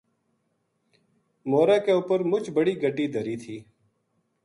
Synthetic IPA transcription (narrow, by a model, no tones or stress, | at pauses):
moːɾaːkeːʊpəɾmʊt͡ʃbəɽiːɡʱəɖiːd̪ʱəɾiːt̪ʰiː